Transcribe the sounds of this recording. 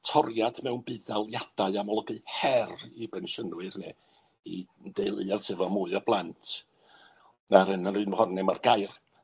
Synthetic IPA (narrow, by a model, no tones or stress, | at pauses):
tʰɔrjad̥mɛwnbɨðalˠjad̥aɨamɔlˠɔɡɨhɛribɛnʃənwɨrne | idejlˠɨartʰɪvɔmuɨɔb̥lˠantʰ | aɾənənɨɨnməhɔnnɛmarɡajr